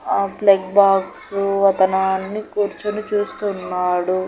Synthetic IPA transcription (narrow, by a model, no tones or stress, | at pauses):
plekbaːksuɐt̪ɐnɐnːikuːɾt͡ʃɐnut͡ʃuːst̪unːaːɽu